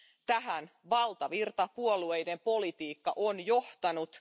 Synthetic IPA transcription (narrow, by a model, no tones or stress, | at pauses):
t̪æɦænʋɑlt̪ɑʋirt̪ɑpuo̞lue̞jde̞mpo̞lit̪iːkːɑʔonjo̞ht̪ɑnut̪